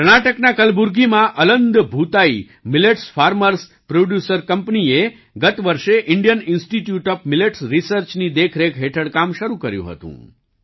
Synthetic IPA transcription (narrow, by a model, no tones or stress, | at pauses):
ɾɳ̃aʈəknakəlbuɾɡimãʔələnd̪bʱut̪ai | mɪleʈsfaɾməɾs | pɾoɖjusəɾkəmpnie | ɡət̪ʋəɾʃeʔɪɳɖjənɪnsʈiʈjuʈɔfmɪleʈsɾisəɾt͡ʃnid̪ekʰɾekʰɦeʈʰəɽkamʃəɾukəɾjṵ̃ɦə̰t̪ṵ̃